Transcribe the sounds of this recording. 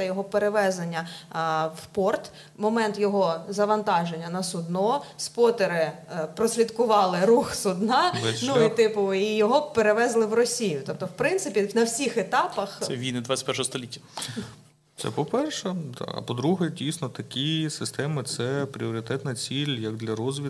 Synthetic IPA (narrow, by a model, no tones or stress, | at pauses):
ɐjɔɦɔpeɾeʋɛzenʲːɐ | wpɔrt̪ | mɔmɛnt̪jɔɦɔzɐʋɐnt̪ɑʒenʲːɐnɐsʊd̪nɔspɔt̪eɾɪpɾɔsʲlʲid̪kʊʋɑlˠɪɾuxsʊd̪nɑɛnuit̪ɪpʊijɔɦɔpeɾeʋɛzlˠɪwrɔsʲijʊt̪ɔp̚t̪ɔwpɾɪntsɪpʲinɐwsʲixet̪ɑpɐxʋʲijnɪd̪ʋḁtʲpɛɾʃɔɦɔst̪ɔlʲitʲːɐ | t̪sɛ̰pɔpɛrʃɛd̪ɑ̰ɐ̰pɔd̪ɾuɦɛdʲijsʲnɔt̪ɐkʲisɪst̪ɛmɪt̪sɛpɾʲiɔɾʲɪt̪ɛt̪nɐt͡sʲilʲjɐɡ̚d̪lʲɐɾɔzʋʲi